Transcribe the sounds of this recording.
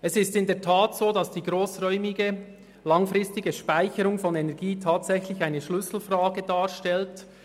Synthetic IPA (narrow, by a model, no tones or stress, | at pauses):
ɛsɪstɪndɛɐtʰaːtsoːdɑsd̥iːɡʁoːsʁœʏmɪɡə | lɑŋfʁɪstɪɡəʃpaɪçəɾʊŋfɔnɛnɛɐɡiːtʰaːtsɛçlɪçaɪnəʃlʏsl̩fraːɡədaːʃtɛlt